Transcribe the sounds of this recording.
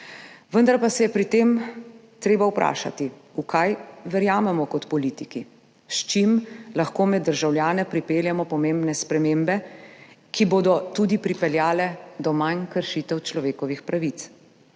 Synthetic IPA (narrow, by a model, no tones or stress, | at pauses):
ʋənd̪aɾpasɛjɛpɾit̪eːm | t̪ɾeːbawpɾʔa̰ːʃa̰t̪iukʰajʋɛɾjaːmɛmɔkɔt̪pɔliːt̪iki | ʃt͡ʃimlaxkoːmɛd̪ːəɾʒawlʲjaːnɛpɾipeːljɛmɔpɔmembnɛspɾɛmembɛ | kiboːd̪ɔt̪ud̪ipɾipɛljaːlɛd̪ɔmankəɾʃit̪ɛwt͡ʃlɔʋeːkɔʋixpɾaʋit̪s